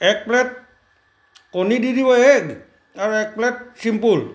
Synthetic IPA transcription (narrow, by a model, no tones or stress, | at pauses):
ɛk̚plɛt̪̚ | konididiwaeɡ | aɾoɛk̚plɛt̪̚simpul